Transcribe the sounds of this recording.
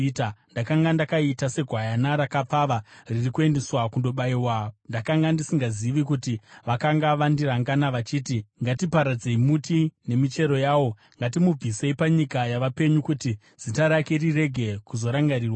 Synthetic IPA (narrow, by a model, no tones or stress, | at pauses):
tandakaŋɡandakaitase̞ɡʱwajanaɾakap͡faːʋaririkue̞ndeswakundo̞ɓaiwandakaŋɡandisiŋɡaziʋikutiʋakaŋɡaʋandiɾaŋɡanaʋat͡ʃiːtiŋɡatipaɾad͡ze̞imutine̞mit͡ʃe̞ɾo̞jaːwo̞ | ŋɡat̬imub͡vise̞ipaɲikajaʋape̞ɲukuti | z̥itaɾakerire̞ɡʱe̞kuzo̞ɾaŋɡaɾiːrwa